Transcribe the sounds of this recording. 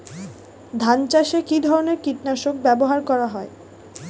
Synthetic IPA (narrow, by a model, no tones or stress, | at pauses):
d̪ʱant͡ɕaʃekid̪ʱɔɾoneɾkiʈnaʃok̚bɛboɦaɾkɔɾaɦɔe